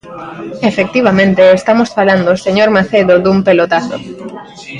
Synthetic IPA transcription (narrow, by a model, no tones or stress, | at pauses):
efek̚t̪iβ̞amẽnt̪eest̪amosfaland̪oseɲoɾmaθeðoðumpelot̪aθo̰